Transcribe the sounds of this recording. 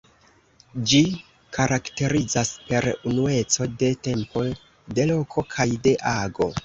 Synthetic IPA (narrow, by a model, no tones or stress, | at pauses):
d͡ʒi | kʰaɾʔakte̞ɾid͡zaspe̞ɾunue̞t͡so̞de̞te̞mpo̞ | de̞lo̞kʰo̞kʰajde̞ʔaɡo̞